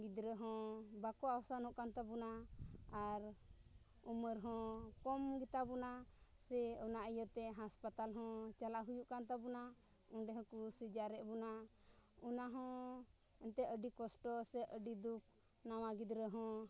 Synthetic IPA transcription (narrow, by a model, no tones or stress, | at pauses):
ɡid̪ɾəɦɔ̃bakɔawasanhɔ̃ʔkant̪abɔnaaɾ | uməɾɦɔ̃kɔmɡit̪abɔna | sɛɔnaʔəjət̪ɛɦaspat̪alɦɔ̃t͡ʃalaɦujuʔkant̪abɔna | ɔnɖɛɦɔ̃kusid͡ʒaɾɛʔbɔna | unaɦɔ̃ | ɛnt̪ɛəɖikɔsʈɔsɛʔəɖid̪uk̚ | nawaɡid̪ɾəɦɔ̃